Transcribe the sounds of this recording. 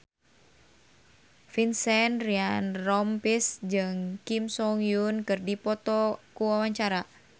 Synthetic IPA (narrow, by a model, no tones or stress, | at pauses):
finsɛnrianrɔmpisd͡ʒɨŋkimsɔŋjunkɨrdipɔt̪ɔkuwawaɲt͡ʃaɾa